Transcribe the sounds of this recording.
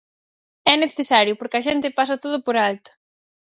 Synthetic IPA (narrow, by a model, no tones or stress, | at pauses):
ɛneθesaɾjʊpoɾkɪɐʃɛnt̪ɪpasɐt̪oð̞ʊpoɾalt̪ʊ̥